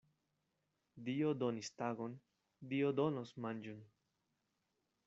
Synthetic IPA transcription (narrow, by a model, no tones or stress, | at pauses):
d̪iod̪onist̪aɡon | d̪iod̪onosmand͡ʒun